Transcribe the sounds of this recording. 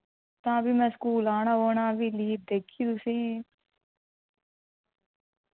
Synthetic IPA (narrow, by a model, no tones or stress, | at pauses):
t̪ãːbʱimɛ̃skuːlãːnãːoːnãːʋiliːp̚d̪ekʰːid̪usĩ